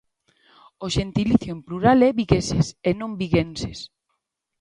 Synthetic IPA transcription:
oʃent̪iliθjoempluɾalɛβiɣesesenõmbiɣenses

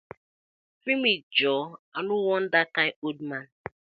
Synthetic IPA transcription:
fimit̚d͡ʒɔanʊwɔn̩dakajodman̩

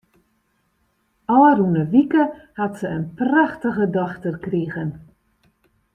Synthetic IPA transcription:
ɔlərunəʋikəhatsəənpraxtəɣədɔxtərkriɣən

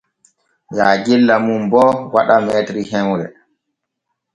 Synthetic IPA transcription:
jaːɡilːamumbɔwaɗamɛːtɾihɛwɾɛ̰

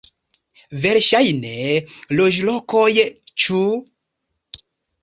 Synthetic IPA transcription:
veɾʃajneloʒlɔkojt͡ʃu

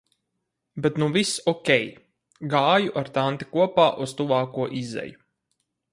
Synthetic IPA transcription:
bet̪nuvisɔkʲɛj | ɡaːjuʔaɾt̪ant̪i̥kuɔpaːʔust̪uvaːkuɔʔizɛ̰ju

